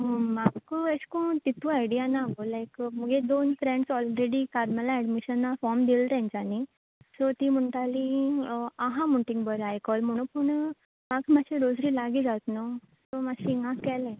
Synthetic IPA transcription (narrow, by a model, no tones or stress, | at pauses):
ɦomaɡkəskõt̪it̪ũajɽijanaɡolajkməɡed̪onfɾẽɳɖsɔlɾeɽikaɾmalaɛɖmiɕənːafɔɾmd̪ilt̪ɛ̃ɲt͡ɕani | sɔt̪im̤əɳʈ̪ali | aɦãmuɳʈĩŋbəɾajkɔlm̤əɽ̃ũpəɳ | maɡmaɕiɾod͡zɾiːlaɡiːd͡zat̪no | sɔmaɕiŋãkɛlẽ